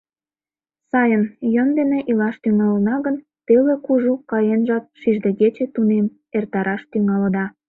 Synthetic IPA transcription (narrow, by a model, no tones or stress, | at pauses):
sɑjənjənd̪eneʔilɑʃt̪yŋɑlənɑɣən | t̪elekuʒukɑjenʒɑt̪̚ʃiʒd̪ĕɣet͡ɕet̪unem | ert̪ɑɾɑʃt̪yŋɑləd̪ɑ